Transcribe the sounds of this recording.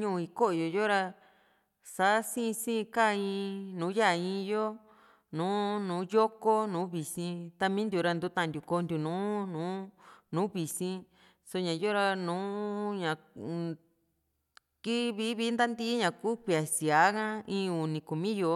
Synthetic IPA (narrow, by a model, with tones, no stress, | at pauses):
ɲũ˦˧i˧ko˦ʔo˨jo˨jo˦ɾa˧ | sa˨˦sĩ˦˧sĩ˦˧ka˦˧ĩ˧nũː˨˦ja˦˨ĩː˧jo˦ | nũː˨˦nũː˨˦jo˦ko˦nũː˨˦βi˨sĩ˧t̪a˧mĩ˦nd̪ju˨˧˨ɾa˧nd̪u˧˦t̪ã˦˧˨nd̪ʲu˨ko˧nd̪ʲu˨nũː˨˦nũː˨˦nũː˨˦βi˨sĩ˧ | so˧ɲã˨˧jo˦ɾa˧nũː˨˦ɲã˨ | ki˦βi˦βi˦nd̪a˦nd̪i˦ɲã˨˧ku˦ki˧a˨si˨a˨˦kã˦ĩː˧˦u˨nĩ˧˨ku˨mĩ˦jo˧